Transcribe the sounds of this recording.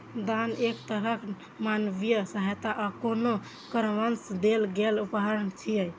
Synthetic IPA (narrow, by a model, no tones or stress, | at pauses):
d̪anekt̪əɾəkʰ | manbijəsəɦəjt̪aʔɔkono | kəɾʋənsd̪elɡelupɦəɾənt͡ʃʰijəj